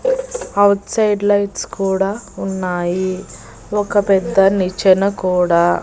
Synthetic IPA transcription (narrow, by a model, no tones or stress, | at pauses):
ɐwʈsɐjɖlɐjʈskuːɽaːunːaːji | ɔkɐpɛd̪ːɐnit͡ʃɐnɐkuːɽaː